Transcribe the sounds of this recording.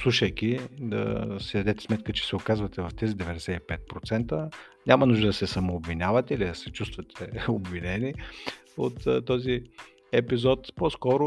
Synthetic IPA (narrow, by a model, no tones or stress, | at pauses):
slˠuʃəjkʲid̪ɐ̰sid̪ɐd̪ɛt̪ɛ̥smɛt̪̚kət͡ʃɛ̥sɛokazvɐt̪ɛvɐft̪ɛzid̪ɛvɛd̪ɛsɛipɛt̪̚pɾot̪sɛnt̪ə | nʲamɐnuʒd̪əd̪ɐsɛsɐmoːbvinʲavɐt̪ɛilid̪ɐsɛt͡ʃust̪vɐt̪ʰɛobvinɛniot̪t̪ːɔzi | ɛpizɔt̪poskɔɾʊ